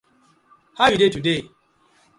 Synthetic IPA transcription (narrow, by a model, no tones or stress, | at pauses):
hawidetude